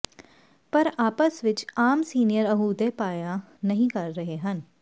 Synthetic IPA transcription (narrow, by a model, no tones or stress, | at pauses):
pəɾaːpəsʋɪt͡ʃaːmsiːnijəɾəɦuːd̪epaːja | nəɦĩːkəɾːəɦeɦən